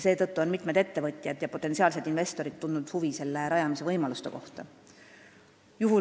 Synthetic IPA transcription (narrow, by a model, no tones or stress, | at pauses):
se̞ːt̪ɤt̪ːuo̞nmit̪ˑmed̪e̞t̪ːe̞vɤt̪ʲˑjɑd̪̥jɑpo̞t̪ːˑesiɑːlse̞d̪̥inve̞st̪o̞ɾid̪t̪ːund̪ud̪̥huvise̞lːe̞ɾɑjɑmise̞vɤjmɑlust̪e̞̰ko̞ht̪ɑ | juɦu